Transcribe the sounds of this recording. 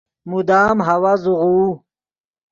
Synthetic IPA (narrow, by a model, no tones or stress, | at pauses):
mud̪aːmɦawazuʁuː